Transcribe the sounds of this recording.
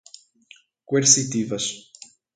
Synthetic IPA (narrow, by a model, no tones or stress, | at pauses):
kweɾsit̪ivɐs